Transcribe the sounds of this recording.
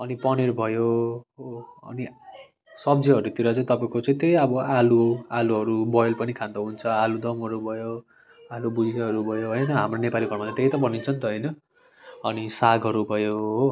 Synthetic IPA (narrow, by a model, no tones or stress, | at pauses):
ʌnipʌneɾubʱʌjoɦoʌ̰ni | sʌbd͡ziɦʌɾuet̪iɾat͡sʌĩt̪ʌpaẽkot͡sʌĩt̪ejʌbʌalualuɦʌɾubʌjlpʌnikʰãnd̪ʌɦunt͡sʰʌalud̪ʌmʌɾubʱʌjo | alubud͡zikaɦʌɾubʱʌjoɦʌjnʌɦamronepaliɡʱʌɾmaat̪eɦit̪ʌbʱʌnint͡sʰʌnt̪ʌɦʌjnʌ | ʌnisaɡʱɦʌɾubʱʌjoɦo